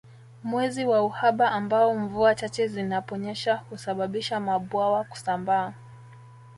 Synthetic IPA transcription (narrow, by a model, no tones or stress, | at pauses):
mwɛziwauhaɓaʔːmbaɔɱvuat͡ʃat͡ʃɛzinapɔɲɛʃahusaɓaɓiʃamaɓwawaku̥sambaː